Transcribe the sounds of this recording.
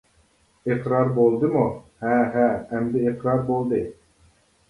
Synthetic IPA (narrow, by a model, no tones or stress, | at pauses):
eqɾɑɾbolˠd̪ɨmuhɛɦɛːmd̪ɛːqɾɑɾbolˠd̪ɨ